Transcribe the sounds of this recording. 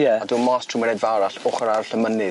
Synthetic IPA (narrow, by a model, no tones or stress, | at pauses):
jɛduːmɔstʰruməɾedvaɾaɬʊχɔɾarɬəmənɪ